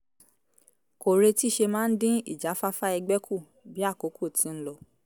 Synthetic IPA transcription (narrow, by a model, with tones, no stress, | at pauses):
ko˨ɾe˧ti˦ʃe˧mãː˦n̩˦dĩ˦ḭ˦˨d͡ʒa˨˦fa˦fa˦ɛ˧ɡ͡bɛ˦kʰu˦˨ | bi˦a˦˨ko˨˦ku˦˨tĩ˨˦n̩˦lɔ˧